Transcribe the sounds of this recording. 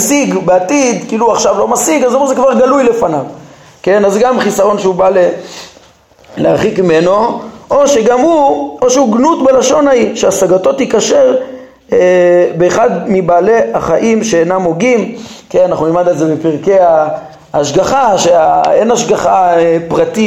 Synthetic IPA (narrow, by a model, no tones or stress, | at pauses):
siɡbeat̪id̪kiːluuaχʃavlo̞masiɡazumezekvaʁɡalujle̞fanav | ke̞nazeɡamχisaʁo̞nʃeubale | leaχikimeno̞ʔoʃe̞ɡamhuoʃeuɡnut̪belaʃo̞naiʃeasaɡat̪o̞t̪ikaʃe̞ʁ | ebeːχad̪mibaːleaχaʔimʃeenamoɡimkenanaχnunilmad̪alzebepiʁke̞aː | ʃɡaχaʃeaenaʃɡaχaepʁat̪i